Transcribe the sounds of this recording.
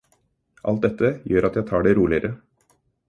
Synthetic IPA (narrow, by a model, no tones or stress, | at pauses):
ʔɑlt̪̚d̪ɛt̪ʰːəjøːɾʔɑt̪jæɪt̪ʰɑːɖeɾuːlɪəɾʔə